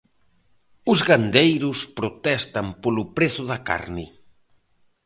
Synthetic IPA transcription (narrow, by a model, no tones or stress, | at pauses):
ʊzɣand̪ejɾʊspɾot̪ɛst̪ampolʊpɾeθʊðaka̰ɾnɪ̰